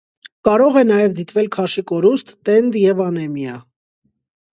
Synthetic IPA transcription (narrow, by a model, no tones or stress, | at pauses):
kɑɾɔʁɛnɑjɛvd̪it̪vɛlkʰɑʃikɔɾust̪ːɛnd̪jɛvɑnɛmjɑ